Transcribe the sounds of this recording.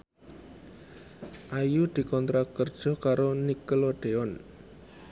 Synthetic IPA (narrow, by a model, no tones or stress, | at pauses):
ʔajud̪̥i̤kɔnt̪ɾakərd̥ʒ̥ɔ̤hkaɾonikəloɖ̥eɔn